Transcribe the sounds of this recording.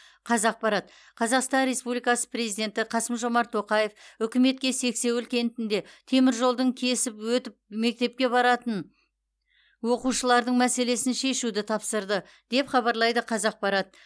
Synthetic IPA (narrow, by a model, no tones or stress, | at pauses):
qʰɑzɑq̚pɑɾɑt̪ | qʰɑzɑqst̪ɑnɾe̞spublijkɑsə̥pre̞zijd̪e̞nt̪ɪqʰɑsəmʒo̞mɑɾt̪ʰːo̞qɑjefʏkʲɪme̞t̪kʲe̞se̞kse̞wʏlkʲe̞nt̪ɪnd̪e̞t̪ʰe̞mɪɾʒo̞lˠd̪əɴkʲʰe̞sɪpwɵt̪ɪp̚me̞k̚t̪e̞p̚kʲe̞bɑɾɑt̪ən | wo̞quʃəlˠɑɾd̪əɴmæse̞le̞sɪnʃe̞ʃud̪ɪt̪ʰɑpsəɾd̪ə | d̪̥e̞pχɑβɑɾlˠɑjd̪əqʰɑzɑq̚pɑɾɑt̪̚